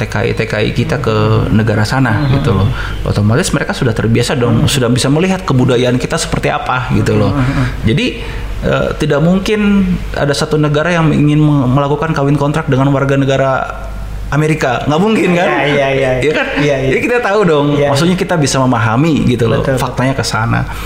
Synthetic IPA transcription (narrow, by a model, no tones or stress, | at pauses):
t̪eka̰ʔḭt̪ekaḭkit̪akənəɡaɾasanaɡit̪ulɔho̰t̪amalɪsməɾekasudaht̪ərbiasadɔŋsudahbisaməliɦat̪̚kəbudajaankit̪asə̥pərt̪ia̰paɡit̪ulɔd͡ʒadi | ə̰t̪idaʔmuŋkɪna̰dasat̪unəɡaɾajaŋḭŋɪnməməlakukankawɪnkɔnt̪ɾak̚dəŋanwarɡanəɡaɾa | ʔameɾikaŋɡaʔmuŋkɪnkajajakanjakit̪at̪audɔŋmaksuɲakit̪abisaməmaɦamiɡit̪ul̰fak̚t̪aɲakəsana̰